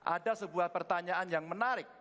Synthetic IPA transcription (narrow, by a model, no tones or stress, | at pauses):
ʔa̰dasəbuahpərt̪aɲaʔanjaŋmənaɾɪk̚